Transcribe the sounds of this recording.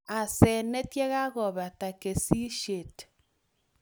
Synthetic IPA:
a˨sɛ˨ne˦tje˦ɣa˦ɣɔ˨βa˨ta˨ke˨si˦ʃe˨t

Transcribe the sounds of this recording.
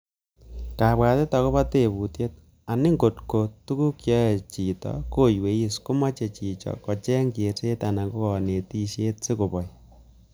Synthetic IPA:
ka˨pwa˨te˦ta˨ko˦βa˦te˨bu˨tje˦t̚ | a˨nɪ˦ŋɡo˨tko˨tu˦ku˦kjɔ˦e˨t͡ʃi˨tɔ̰ko˦jwe˨i˦skʊ˦ma˦t͡ʃe˨t͡ʃi˨t͡ʃɔ̰˨kɔ˨t͡ʃɛ˦ŋɡe˨te˦ta˨na˨ŋɡo˦kɔ˨ne˨ti˦ʃe˦tsɪ˦ko˨pɔ˨j

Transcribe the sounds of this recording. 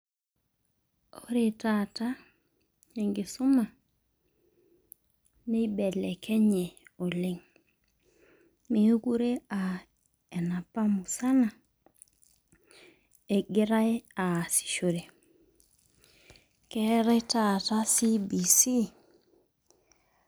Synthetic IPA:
o˦ɾe˨ta˦ta˦ | e˨ŋɡi˨su˦ma˨ | ne˦bɛ˨lɛ˨kɛ˦ɲɛ˨o˨lɪ˦ŋ | me˨u˦ku˦ɾe˦a˨ | ɛ˨na˨pa˦mu˨sa˦na˨ | e˨ɡɪ˦ɾa˦ja˨si̥˨ʃo˨ɾe˨ | kɛ˦ɾɛ˦ta˦ta˦si˦bi˨si˦

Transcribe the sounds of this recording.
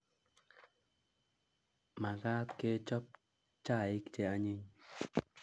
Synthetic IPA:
ma˨ɡa˦tke˦t͡ʃɔ˦p̚ | t͡ʃa˦˨i˦kt͡ʃe˦a˦ɲe˦ɲ

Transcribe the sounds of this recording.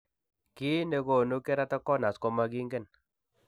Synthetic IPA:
ki˦ne˨ko˨no˦kɛ˦ɾa˦ta˦kːɔ˦na˨skɔ˦ma˦ki˦ŋɡɛ˦˨n

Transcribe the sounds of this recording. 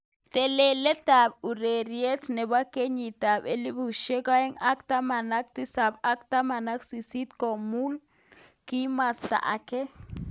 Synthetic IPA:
t̪e˨le˨le˦t̪a˨bu˨ɾe˨ɾje˦t͡ʃne˨ba˦ke˦ɲi˨t̪a˨be˦li˦bu˨ʃe˦ka˦e˦ŋa˦kt̪a˦ma˨na˦k̚t̪i˦sa˨ba˦kt̪a˦ma˨na˦ksi˨si˦t̪ko˨mu˦l | ki˦mast̪a̰˨ʔa̰ke˦

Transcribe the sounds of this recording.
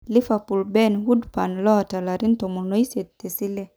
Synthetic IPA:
li˦fa˨pu˨lbɛ˦˨nwu˦dpa˨nlɔ˦˨ta˨la˨ɾi˦n˦to˨mu˨no˦i˦se˨tte˨si˦lɛ˦

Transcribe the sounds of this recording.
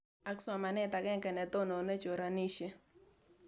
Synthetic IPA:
a˦ksa˨ma˨nɛ˦t̪a˨ɡɛ˦ŋkɛ˨nɛ˨t̪o˦no˨ne˦t͡ʃo˨ɾa˨ni˦ʃe˦

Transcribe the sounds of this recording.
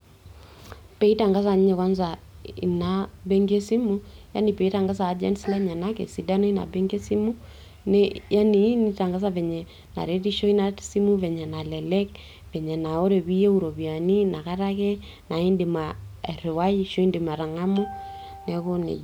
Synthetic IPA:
pɛ˨i˦ta˨ŋɡa˦sa˨ɲ˦ɲɛ˨kwa˦nzaḭ˨nabɛ˦ŋɡe˦si˦muja̰˦nipɛ˨i˦ta˨ŋɡa˦s̬aː˨˦d͡ʒɛ̰˦nsi˦la˦ɲa˨nakɛ̰˨si˨da˦nɔ˦i˦na̰˨bɛ˦ŋɡe˦si˦mu˦ | nɛja˦ni˨˦ni˦ta˨ŋɡa˦s̬aβɛ˨ɲɛ˨ | na̰˨ɾɛti˦ʃɔ˦i˦nasi˦mu˦βɛ˨ɲɛ˨na˨lɛlɛk | vɛ˨ɲɛ˨na˨ɔ˦ɾɛ˨βi˦ɛ˦uɾɔ˨βia˨nina˨ka˦ɾakɛ˦ | na˨i˦ndimaɾɛ˨wai˦ʃɔ˦i˦ndɪma˨ɾa˨ŋa˦mu˦ | nɛkɔ˦nḛ˨

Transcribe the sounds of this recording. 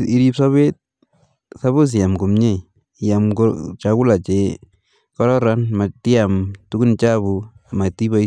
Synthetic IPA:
i˦ɾipsaβe˦t̪̚ | sa˦βu˦s̬i˨ja˨mko˨mɲe˦ | jamkot͡ʃaku˦la˨t͡ʃe | kɔɾɔɾanma˨ti˦amtuku˦nt͡ʃaβu˨ma˨ti˦ba˦

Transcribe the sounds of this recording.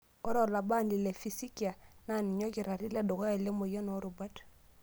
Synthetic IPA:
ɔ˦ɾo˦˨la˨ba˦˨nli˨le˨fi˨si˦ki˨a˨na˦˨ni˨ɲo˦ki˨ɾa˨ɾi˦le˦˨do˨ɡo˦ja˨le˦mo˨ja˦no˨˦ɾu˨ba˦d

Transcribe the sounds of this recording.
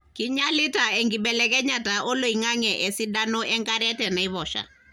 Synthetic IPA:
ki˨ɲa˦li˦ta˨ɛ˨ŋɡi˨ɓɛlɛkɛ˦ɲa˨ta˨ʔɔ˦lo˨i˨ŋa˦ŋɛ˨ʔɛ˨si˦ɗa˦nɔ˦ʔɛ˦ŋɡa˦ɾɛ˦tɛ˨na˨i˦βɔ˨ʃa̰˨

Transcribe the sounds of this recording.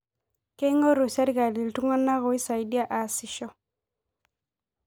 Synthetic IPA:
ke˦ŋɔ˦ɾu˨sa˦ɾi˦ka˨li˨ltu˦ŋa˦na˦ɣʊ˨i˦sa˨i˨di˦a˦ʔa˨sɪ˨ʃɔ˦

